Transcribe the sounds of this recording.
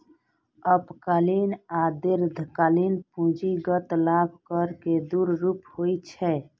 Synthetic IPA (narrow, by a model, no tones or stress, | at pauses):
əpkəlinaːd̪ɪɾd̪ʱkalinpũːd͡ʒiɡət̪laːbʱkəɾked̪uːɾɾuːphoːit͡ʃʰɛ